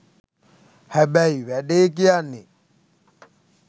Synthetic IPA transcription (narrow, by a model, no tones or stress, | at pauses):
hɛɓɛiβɛɗek̬ianɪ